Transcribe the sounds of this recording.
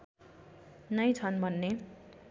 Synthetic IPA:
nʌjt͡sʰʌnbʱʌnːe

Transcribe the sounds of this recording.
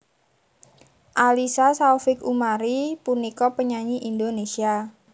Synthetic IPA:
ʔalisasaufɪkumaɾipunikɔpəɲaɲiʔind̪onesia

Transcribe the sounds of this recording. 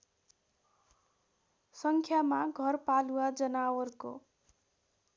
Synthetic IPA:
sʌŋkʰjamaɡʱʌrpaluwad͡zʌnawʌrko̰

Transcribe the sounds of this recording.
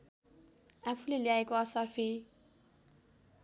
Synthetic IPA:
apʰuleljaekoʌsʌrpʰi

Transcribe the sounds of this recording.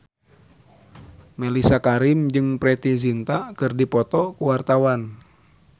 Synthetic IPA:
mɛlisakaɾimd͡ʒɨŋpɾɛt̪izint̪akɨrdipɔt̪ɔkuwart̪awan

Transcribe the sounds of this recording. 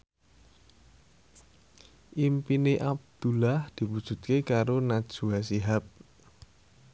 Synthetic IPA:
ʔimpineʔab̚d̪̥ulahd̪̥i̤wud̥ʒ̥ṳt̪̚kekaɾonad̥ʒ̥ṳasiɦap̚

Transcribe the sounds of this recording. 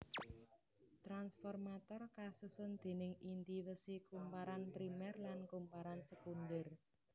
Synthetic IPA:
t̪ɾansfɔrmat̪ɔrkasusʊnd̪̥e̤nɪŋint̪iwəsikumpaɾanpɾimɛrlankumpaɾansəkund̪ər

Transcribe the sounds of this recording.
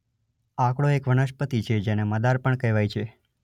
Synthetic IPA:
akɽoekʋənəʃpət̪it͡ʃʰed͡ʒeneməd̪aɾpəɳkəjʋajt͡ʃʰe

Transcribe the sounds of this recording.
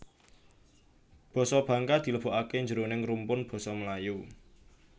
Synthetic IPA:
b̥ɔ̤sɔb̥ä̤ŋkad̪̥i̤ləb̥oʔakeɲd͡ʒəɾonɪŋrumpʊnb̥ɔ̤sɔməlaju

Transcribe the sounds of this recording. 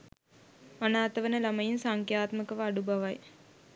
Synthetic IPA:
ɐnaːt̪ɐʋɐnɐlɐmɐjinsaːŋkjaːt̪mɐkɐʋɐɐɽubɐʋaj

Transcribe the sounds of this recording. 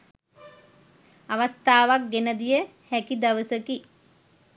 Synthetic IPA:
aʋast̪aːʋak̚ɡenəd̪ijə | hɛkid̪ɐʋəsəki

